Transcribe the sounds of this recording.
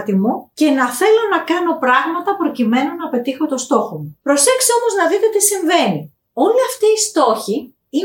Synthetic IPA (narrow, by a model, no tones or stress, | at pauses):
t̪imuce̞nɐθe̞lo̞nɐkɐno̞pɾɐɣmɐt̪ɐpɾo̞cime̞nunɐpe̞t̪ixo̞t̪o̞st̪o̞xomupɾo̞se̞kseo̞mo̞znɐðit̪e̞t̪isiɱve̞ni | o̞liɐft̪iːst̪o̞çi | i